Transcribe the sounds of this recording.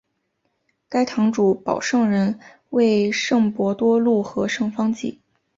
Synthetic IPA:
ka˥ɪt̪ʰɑ˧˥ŋʈ͡ʂu˧˥pɑ̰˨˩ʊʂɤ˥˩ŋɻə˧˥n | we˥˧ɪʂɤ˥˩ŋpwɔ˧˥t̪wɔ˥lu˥˩xɤ˧˥ʂɤ˥˩ŋfɑ˥ŋt͡ɕḭ˥˩

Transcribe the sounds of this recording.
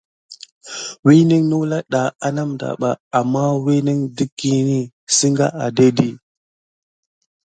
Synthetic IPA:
wi˦ni˦ŋnu˦wla˦ɗa˨a˦na˦mda̰˨ɓa˨a˨mːa˦wi˦ni˦ŋdi˦kːi˦ni˦ | si˦ŋɡa̰˦ʔa˨de˦di˦

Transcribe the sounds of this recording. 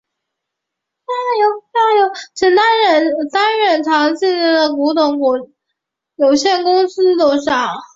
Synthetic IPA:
a˥˩jo˧˥ʊɑ˥˩jo˧˥ʊt͡ɕʰi˨˥nt̪a˥nɻə˥˩nt̪a˥nɻə˥˩nʈ͡ʂʰɑ˧˥ŋt͡ɕi˥˩nə˥˩d̪ə˨˩ku˧˥t̪ʊ˧˥ŋkɔ˨˩˥ | jo˨˩ʊɕjɛ˥˩nkʊ˥ŋsɹ̩˥t̪o˥ʊʂɑ˥˩ŋ

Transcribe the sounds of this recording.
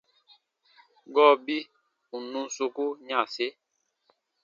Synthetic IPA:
ɡɔ˦˨bi˦ | u˨nũ˦so˦ku˦ɲã˨se˦

